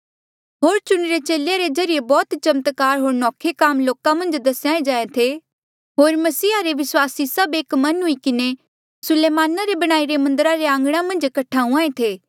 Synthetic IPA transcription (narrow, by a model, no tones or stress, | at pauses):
ɦoːɾt͡ʃʊɽ̃ɾet͡ʃeːlejaɾed͡ʒɐɾɪjebɔːt̪t͡ʃɐmət̪kaːɾɦoːɾnɔːkʰekaːmloːkãmɐ̃nd͡ʒd̪ɐsjaːẽd͡ʒaːẽt̪ʰe | ɦoːɾmɐsiːɦaɾeʋɪswaːsisɐbeːkmɐnɦʊikɪne | sʊleːmaːnaɾebɐɽ̃aːiɾemɐ̃nd̪əɾaɾeãːŋɡɽ̃amɐ̃nd͡ʒkɐʈʰaːɦũãːẽt̪ʰeː